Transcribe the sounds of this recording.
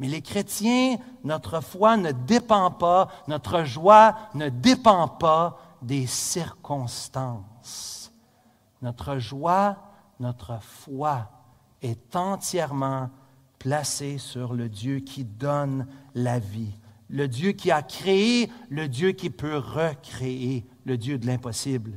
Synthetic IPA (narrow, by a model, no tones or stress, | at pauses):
mɛlekχet̪jɛ̃ | nɔt̪χəfwanəd̪epɑ̃panɔt̪χəʒwanəd̪epɑ̃pa | d̪esiʁkʰɔ̃st̪ɑ̃ːs | nɔt̪χəʒwa | nɔt̪χəfwa | ɛt̪ɑ̃t̪jɛʁmɑ̃ | plasesyʁləd̪jøkʲʰid̪ɔnlaviləd̪jøkʲiakʁeeləd̪jøkʲipøʁəkχeeləd̪jød̪əlɛ̃pɔsibl